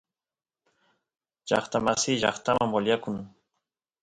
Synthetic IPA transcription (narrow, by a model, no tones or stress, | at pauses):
ʒɑ̰χt̪amasɪʒɑχt̪amamoljakʊŋ